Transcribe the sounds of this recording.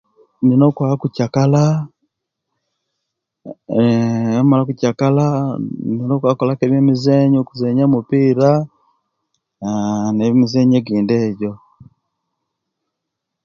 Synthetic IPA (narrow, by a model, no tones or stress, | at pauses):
ninokwakucakala | emalakucakalaninokwakolakeβemizeɲokuzeɲamupiːɾa | nemizeɲeɡiːndeːɟo